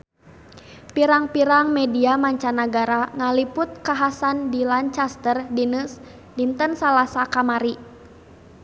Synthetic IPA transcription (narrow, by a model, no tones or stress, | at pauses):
piɾaŋpiɾaŋmɛdiamaɲt͡ʃanaɡaɾaŋalipʊt̪̚kaɦasandilant͡ʃast̪ərdinəs | dint̪ənsalasakamaɾi